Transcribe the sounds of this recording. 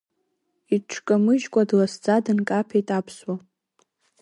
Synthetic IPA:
iʈ͡ʂʰkʼamɨʒkʷʼadlasd͡zadɨnkʼapʰejtʼapʰswa

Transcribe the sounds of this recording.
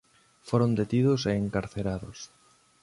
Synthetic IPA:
foɾond̪et̪iðʊseːŋkaɾθeɾaðʊs

